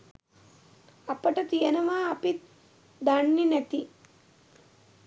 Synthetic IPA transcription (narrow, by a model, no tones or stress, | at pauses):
ɐpəʈɐt̪ijɐnɐʋaːpit̪ | d̪aɳːinæt̪i